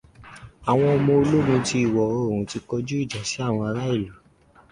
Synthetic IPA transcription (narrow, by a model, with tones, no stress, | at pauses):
a˨w̃ɔ̃˧ɔ˧mɔ̃˧o˧lo˦mũ˧ti˧i˦˨wɔ˨o˦o˦˨ũ˨ti˧kɔ˧d͡ʒu˦i˦˨d͡ʒa˨si˨˦a˦˨w̃ɔ̃˧a˧la˦i˦˨lu˨